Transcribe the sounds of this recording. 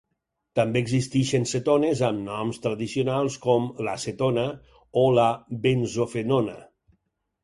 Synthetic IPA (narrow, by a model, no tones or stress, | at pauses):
t̪ambeːɡzist̪iʃenset̪onezəmnɔmst̪ɾəðisionalˠskɔmləset̪onə | oləbenzofenonə̰